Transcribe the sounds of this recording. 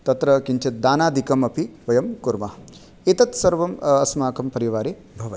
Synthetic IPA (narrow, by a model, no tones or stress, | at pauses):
t̪ɐt̪ɾɐkiɲt͡ʃʰɐt̪̚d̪aːnaːd̪ʱikɐmɐpʰiʋɐjɐmkuɾmɐ | it̪ɐt̪sɐɾʋɐmɐsmaːkɐmpɐɾiʋaːɾe | bʱɐʋɐ